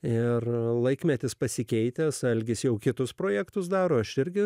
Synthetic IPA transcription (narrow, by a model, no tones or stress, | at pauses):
ɪrlˠɐɪkmʲɛt̪ʲɪspɐsʲɪkʲɛɪt̪ʲɛsɐlʲɡʲɪsjɛʊkʲɪt̪ʊspɾoːjækt̪ʊs̬d̪ɑːɾoːɐʃɪɾʲɡʲɪ